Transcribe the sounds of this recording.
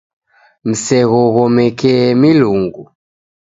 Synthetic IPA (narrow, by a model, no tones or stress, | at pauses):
m̩sɛɣɔɣɔmɛkɛmiluŋɡu